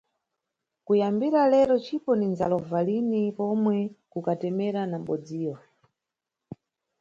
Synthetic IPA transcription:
kujambiɾalɛɾɔt͡ʃʰipɔnind͡za̰lɔvalinipɔmwɛkukatɛmɛɾanam̩ɓɔd͡ziːwɔ

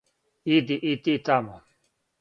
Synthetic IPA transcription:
id̪iʔit̪iːt̪aːmo

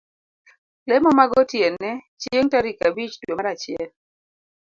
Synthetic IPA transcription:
lɛmɔmaɡɔtjɛnɛt͡ʃeŋtaɾikabit͡ʃdwemaɾat͡ʃɪjɛl

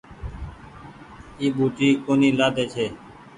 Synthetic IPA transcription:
iːɓuːʈiːkoːniːlaːd̪eːt͡ʃʰeː

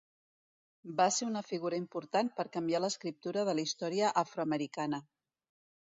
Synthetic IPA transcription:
baseunəfiɣuɾəimpuɾt̪anpəɾkəmbialəskɾip̚t̪uɾəðəlist̪ɔɾiəʔafɾoəməɾikanə

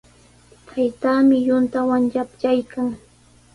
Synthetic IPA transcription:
t̪ʰajt̪aːmɪjʊnt̪awaŋjapt͡ʃajkaŋ

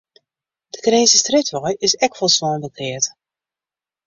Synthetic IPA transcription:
d̥əkrɪːsəstrɪtʋɔjɪsɛkfɔlˠsʋɔːnbəklɪət

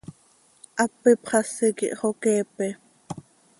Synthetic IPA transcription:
ʔɑpːipχɑsikḭʔχokɛːpɛ

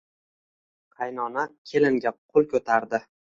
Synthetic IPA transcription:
qʰɑjnɒnakʲʰe̞lɪŋɡʲaqʰʊlˠkʰɵt̪ʰaɾd̪ɪ

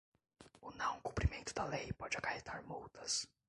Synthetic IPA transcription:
ʊnɐ̃w̃kũpɾimẽnt̪ʊd̪ɐlejpɔd͡ʒɪakahet̪ʰaɾmuwt̪ɐs

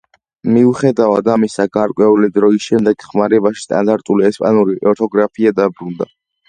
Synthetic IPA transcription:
miuχɛd̪avad̪amisaɡaɾkʼwɛulid̪ɾɔisʃɛmd̪ɛɡχmaɾɛbaʃi̥st̪ʼa̰nd̪aɾt̪ʼuliɛspʼa̰nuɾiʔɔɾt̪ʰɔɡɾapʰiad̪abɾund̪a̰

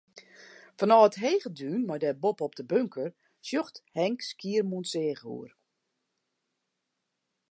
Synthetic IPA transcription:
fɔnɔːətɦeːɣədyːnmɔjdɛbopɔp̚dəbøŋkʰər | sjoxthɛŋkskiərmunseːɣṵər

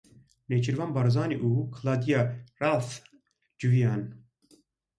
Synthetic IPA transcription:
net͡ʃʰiɾvanbɑɾzɑːniʔukʰɨlad̪ijaraːf | d͡ʒuvijɑːn

